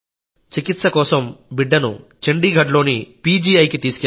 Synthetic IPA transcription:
t͡ʃikit̪sɐkɔːsɐmbiɖːɐnṵt͡ʃeɳɖiːɡʱɐɖlo̞ːnipiːd͡ʒiːɐjkit̪iːsu̥kɛ

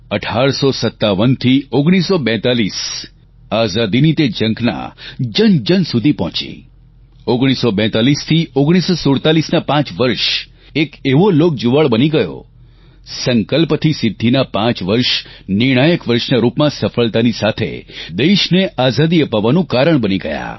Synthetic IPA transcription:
əʈʰaɾsosət̪ːaʋənt̪ʰioɡɽ̃isobɛ̃t̪alis | azad̪init̪ed͡ʒə̃ŋkʰna̰d͡ʒənd͡ʒənsud̪ʱipɔ̃t͡ʃḭ | oɡɽ̃isobɛ̃t̪alist̪ʰioɡɽ̃isosoɽt̪alisnapãt͡ʃʋəɾʃ | ekeʋolok̚d͡ʒoʋaɭbəniɡəjo̰ | səŋkəlpt̪ʰisɪd̪ʱːinapãt͡ʃʋəɾʃnɪɽ̃ajəkʋəɾʃnaɾupmãsəfəɭt̪anisat̪ʰḛd̪eʃneʔazad̪iəpaʋanũkaɾəɳ̃bəniɡə̰ja̰

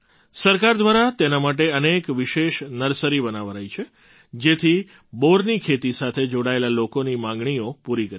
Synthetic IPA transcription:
səɾkaɾd̪ʋaɾat̪enamaʈeənekʋɪʃeʃnəɾsəɾibənaʋɾajt͡ʃʰe | d͡ʒet̪ʰi | boɾnikʰet̪isat̪ʰed͡ʒoɽaelalokonimãŋɡɳ̃iopuɾikəɾ

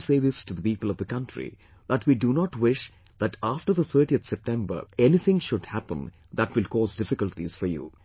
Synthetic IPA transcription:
seːðɪstud̪əpiːpəlˠɔvðəkʌ̃nʈɾḭ | ð̥əʈwiːɖunɔʈwɪʃ | ðæʈaːfʈəɾðət̪ʰə˞ʈiət̪sɛp̚ʈɛ̃mbə̰˞ɛnit̪ʰɪ̃ŋʃʊdhæpə̰̃n | ðæʈwɪlkɔːzdɪfɪkəlʈiz̥fɔɾjṵ

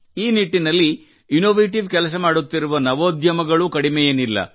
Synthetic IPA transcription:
iːniʈːinɐlːi | inoːʋeːʈ̬iʋkɛlɐs̬ɐmaːɽut̪ːiɾuʋɐnɐʋoːd̪ʱjɐmɐɡɐɭukɐɽimɛjɐnilːɐ̰

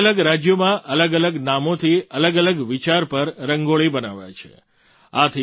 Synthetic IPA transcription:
ləɡɾad͡ʒjomãʔələɡələɡnamot̪ʰiələɡələɡʋit͡ʃaɾpəɾɾəŋɡoɭibənaʋajt͡ʃʰḛ | at̪ʰi

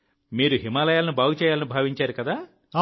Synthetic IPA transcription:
miːɾuɦimaːlɐjaːlɐnubʱaːɡut͡ʃɛːjaːlɐnibʱaːʋiɲt͡ʃaːɾukɐd̪aː

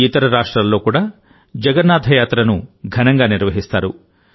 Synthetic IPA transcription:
it̪ɐɾɐɾaːʂʈɾalːo̞ːkuːɽaː | d͡ʒɐɡɐɾnːaːd̪ʱɐjaːt̪ɾɐnuɡʱɐnɐŋɡaːniɾʋɐɦist̪aːɾu

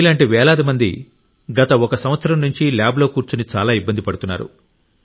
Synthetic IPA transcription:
ilaːɳʈiʋɛːlaːd̪imɐnd̪ḭ | ɡɐt̪ɐɔkɐsɐmʋɐt̪sɐɾɐmnuɲt͡ʃiljaːbloːkuːɾt͡ʃunit͡ʃaːlaːibːɐnd̪ipɐɽut̪unːa̰ːɾṵ

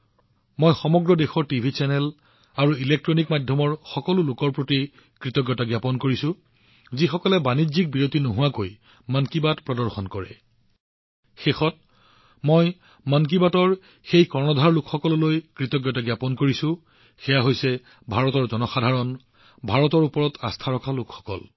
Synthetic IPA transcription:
mojxɔmɔɡɹɔdexɔɹtibʱit͡ʃɛnɛl | aɹuilek̚tɹɔnikmadʱjɔmɔɹxɔkɔlʊlʊkɔɹpɹoti | kɹitɔɡjɔtaɡjapɔnkoɹisʊ̃ | zixɔkɔlɛbanizik̚biɹotinoɦʊwakoj | mankibatpɹɔdɔɹxɔnkɔɹɛ̰ | xexɔt̚ | mɔj | mank̬ibatɔɹ | xejkɔɹmɔdʱaɹlʊkxɔkɔlɔlojkɹitɔɡjɔtaɡjapɔnkoɹisʊ̃ | xɛjaɦojsɛ | bʱaɹɔtɔɹzɔnɔxadʱaɹɔn | bʱaɹɔtɔɹupɔɹɔtʰast̪ʰaɹɔkʰalʊkxɔ̥kɔ̰l

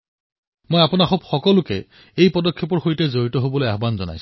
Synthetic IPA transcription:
mojapʊnaxobxɔkɔlʊkɛ | ejpɔdɔkʰːepɔɹxojtɛzoɹitɔɦobɔlojaɦbanzɔ̰na̰js

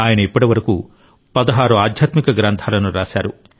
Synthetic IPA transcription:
aːjɐnɐipːɐʈiʋɐɾɐku | pɐd̪ɐɦaːɾuaːd̪ʱjaːt̪mikɐɡɾɐnt̪ʰaːlɐnuɾaːsa̰ːɾu

